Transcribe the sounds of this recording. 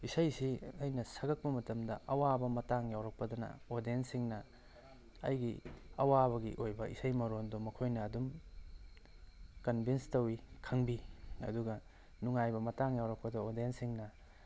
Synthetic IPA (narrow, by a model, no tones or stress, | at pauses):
isɐjsiɐjnɐsɐɡɐk̚pɐmɐtɐmdɐʔɐwabɐmɐtaŋjawɾɐk̚pɐdɐnɐ̰odensiŋnɐ | ɐ̰jɡiɐwaβɐɡiʔojbɐḭsɐjmɐɾondomɐkʰojnɐːdum | kɐnbʱinstɐwikʰɐŋbiɐ̰duɡɐ | nuŋajbɐmɐtaŋjawɾɐk̚pɐdoodensiŋnɐ